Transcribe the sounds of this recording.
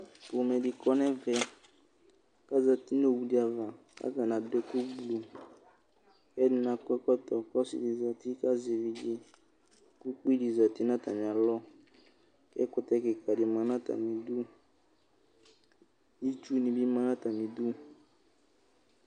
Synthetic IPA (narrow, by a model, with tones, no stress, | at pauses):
bo˨mɛ˨dɪ˨kɔ˦nɛ˦vɛ˨ | ka˦za˨ti˦n˦o˦˨wu˨di˨˦a˨va˨ | ka̰˦ɡa˨na˨dɛ˦ku˦blu˨ | kɛ˦dɪ˨na˨kɔ˦kɔ˦tɔ˨kɔ˦sḭ˨di˨za˨ti˦ka˦zɛ˨vi˨d͡ʒɪ˦ | ku˦k͡pi˦di˨za˨ti˦na˦ta˨mĩ˨a˨lɔ˦ | kɛ̰˦kʊ˦tɛ˦kɪ˨ka˨dɪ˨mã˨nã˦ta̰˨mĩ˨du˦ | ji˦t͡ʃu˦nĩ˨bi˦mã˦nã˦ta˨mĩ˨du˦